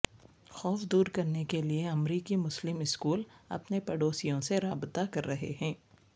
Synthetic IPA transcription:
xɔːfd̪uːɾkɐɾnekelieɐmɾiːkimʊslɪmɪskuːlɐ̰pnepɛɽoːsijõseɾaːbt̪akɐɾːɐɦḛɦɛ̃ː

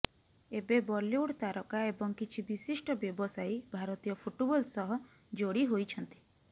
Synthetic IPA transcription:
ebebɔljuɽt̪aɾɔkaebɔŋkit͡ʃʰibisisʈɔbjɔbɔsajbʱaɾɔt̪ijɔpʰuʈubɔlsɔɦɔ | d͡ʒoɽiɦojt͡ʃʰɔnt̪i̥

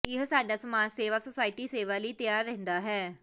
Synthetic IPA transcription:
ɪɦsaːɖaːsəmaːnseːʋaːsəsaːɪʈiːseːʋaːliːt̪ɪjaːɾːɛ̃ɦnd̪aːɦɛː

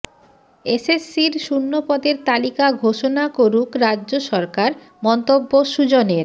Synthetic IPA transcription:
esesːiɾʃunːopɔd̪eɾt̪alikaɡʱoʃonakoɾukɾadːʑoʃɔɾkaɾ | mɔnt̪obːoʃud͡ʑoneɾ

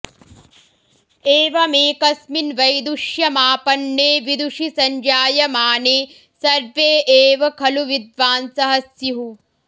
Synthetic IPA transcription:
eːʋɐmeːkɐsminʋɐjd̪uʃjɐmaːpɐnːeːʋid̪uʂisɐɲd͡ʒaːjɐmaːneː | sɐɾʋeːʔeːʋɐkʰɐluʋid̪ʋaːnsɐɦɐsjiɦu

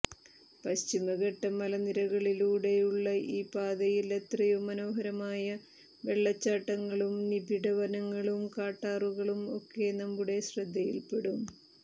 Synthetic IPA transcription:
pɐɕt͡ɕimɐɣɐʈːɐmɐlɐniɾɐɣɐɭiluːɽe̞juɭːɐʔiːpaːd̪ɐjilet̪rɐjumːɐno̞ːɦɐɾɐmaːjɐ | ʋe̞ɭːɐt͡ɕːaːʈːɐŋːɐɭumnibiɽɐʋɐnɐŋːɐɭumkaːʈːaːruɣɐɭumo̞̰kːe̞nɐmbuɽe̞ɕrɐd̪ʱːɐjḭlpe̞ɽum

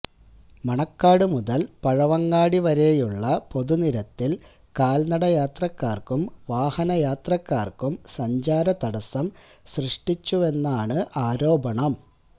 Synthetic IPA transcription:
mɐɳɐkːaːɽɨmuðɐlpɐɻɐʋɐŋːaːɽiʋɐɾe̞juɭːɐpo̞ðuniɾɐt̪ːil | kaːlnɐɽɐjaːt̪rɐkːaːrkumʋaːhɐnɐjaːt̪rɐkːa̰ːrkumsɐɲd͡ʑaːɾɐt̪ɐɽɐsɐm | ɕrɨʂʈit͡ɕːue̞nːaːɳɨʔaːɾo̞ːbɐɳɐm

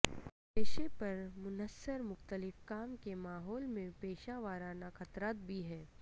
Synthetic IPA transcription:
peːʃepɐɾmʊnəsːəɾmʊxt̪əlɪfkaːmkemaːɦɔːlmẽpeːʃaʋaːɾaːnaxɐt̪ɾaːt̪̚bʱiɦɛː

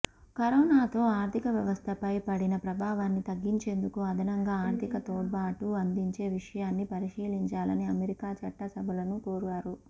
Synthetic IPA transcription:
kɐɾɔːnaːt̪o̞ːaːɾt̪ʰikɐʋjɐʋɐst̪ʰɐpɐjpɐɽinɐpɾɐbʱaːʋaːnːit̪ɐɡːiɲt͡ʃe̞ːnd̪ukuɐd̪ʱɐnɐŋɡaːaːɾt̪ʰikɐt̪oːɽ̚baːʈuɐnd̪iɲt͡ʃe̞ːʋiʂɐjaːnːipɐɾiʂiːliɲt͡ʃaːlɐniɐmeɾikaːt͡ʃɐʈːɐsɐbʱɐlɐnukoːɾuɡaːɾu

